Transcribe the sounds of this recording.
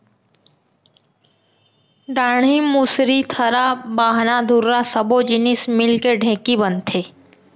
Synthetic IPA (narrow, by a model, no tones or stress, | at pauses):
ɖaːɳimusɾit̪ʰəɾabaːɦnad̪ʱuɾːasəbod͡ʒɪnɪsmɪlkeɖʱɛ̃ːkibənt̪ʰeː